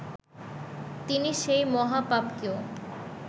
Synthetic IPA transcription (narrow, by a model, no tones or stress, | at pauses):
t̪iniʃejmɔɦapabkeo